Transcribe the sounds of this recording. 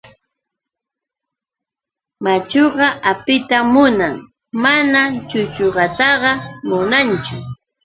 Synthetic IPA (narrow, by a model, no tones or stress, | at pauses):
mat͡ʃoɢɑʔapɪt̪amʊnaŋ | manat͡ʃʊt͡ʃoɢɑt̪ɑɢɑmʊnant͡ʃʊ